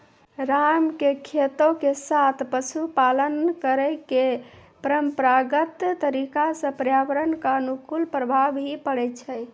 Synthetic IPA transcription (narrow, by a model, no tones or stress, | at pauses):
ɾamkekʰet̪okesat̪ʰpəsʰupalənkəɾəkepəɾəmpɾaɡət̪t̪əɾikasə̃pəɾjaʋəɾənkanukulpɾəbʱabɦipəɽɛt͡ʃʰɛj